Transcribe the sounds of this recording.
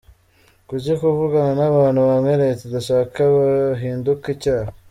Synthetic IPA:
kuɟikuvuɡananaβaːn̥huβamŋeɾetudaʃaːkaβaɦiːndukicaːha

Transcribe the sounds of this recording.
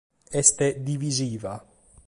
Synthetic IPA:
ɛst̪ed̪iviziːva

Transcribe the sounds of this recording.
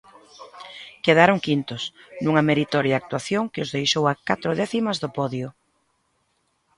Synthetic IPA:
keð̞aɾoŋkint̪ʊsnuŋɐmeɾit̪ɔɾjaak̚t̪waθjoŋkeozðejʃowakat̪ɾoðɛθimɐzðʊpɔðjʊ

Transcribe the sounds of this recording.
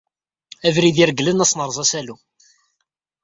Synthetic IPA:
ævɾiðiɾəɡlənæsˤnəɾˤzˤɑsælu

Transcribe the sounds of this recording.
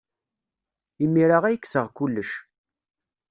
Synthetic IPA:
imːiɾaʁæjəkːsəʁkulːəʃ

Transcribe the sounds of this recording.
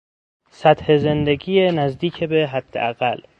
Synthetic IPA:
sæt̪hezend̪eɡiːenæzd̪iːcʰebeɦæd̪̥ːḛʔæɣæl

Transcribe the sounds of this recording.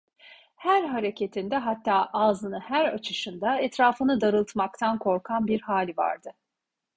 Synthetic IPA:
hæɾɦaɾe̞cʰe̞t̪ʰind̪ɛɦat̪ʰːaːʔaːzɯnɯhæɾat͡ʃʰɯʃɯnd̪aɛt̪ɾaːfɯnɯd̪aɾɯlˠt̪ʰmakt̪ʰankʰo̞ɾkʰanbiɾhaːlʲiva̰ɾd̪ɯ

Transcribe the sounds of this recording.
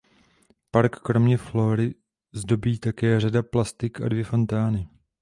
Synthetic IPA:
paɾkːɾo̞mɲɛflo̞ːɾɪ | zdo̞biːt̪akɛːr̝adaplast̪ɪka̰dvjɛfo̞nt̪aːnɪ

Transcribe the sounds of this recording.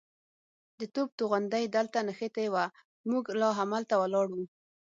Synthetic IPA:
d̪ət̪ob̚t̪oɣand̪ajd̪əlt̪anəxet̪ejwa | muɡlɑɦamalt̪awalɑɽu

